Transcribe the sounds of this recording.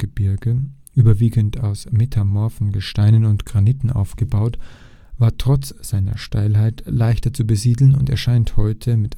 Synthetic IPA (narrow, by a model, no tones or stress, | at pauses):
ɡ̥əbɪɐɡə | ʔyːbɐviːɡn̩tʰaʊsmetʰamɔːɐfɔnɡəʃtaɪnənʊntɡ̥ʁaniːtn̩ʔa̰ʊfɡ̥əbaʊt | v̥aːɐtʁ̥ɔt͡sz̥aɪnɐ̰ʃtaɪlɦaɪtlaɪçtɐt͡subəziːdl̩nʊntḛːɐʃaɪnthɔʏtʰəmɪt